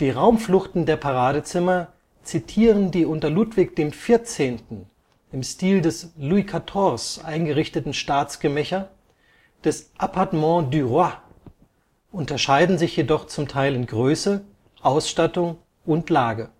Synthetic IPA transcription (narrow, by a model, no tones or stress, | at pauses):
d̥iːʁaʊmflʊxtn̩deːɐpʰaʁaːɾət͡sɪmɐ | t͡sitʰiːʁ̞əndiːʔʊntɐluːtv̥ɪk̚d̥eːmfɪɐt͡seːntn̩ | ɪmstiːldɛsluikʰatʰɔːsʔa̰ɪnɡəʁɪçtətn̩ʃtaːt͡sɡ̥əmɛçɐ | d̥ɛsʔapʰaɐtmɑ̃dyʁwa | ʔʊntɐʃaɪdn̩zɪçjedɔχt͡sʊmtʰaɪlɪnɡʁøːsə | ʔaʊsʃtatʊŋ | ʔʊntlaːɡə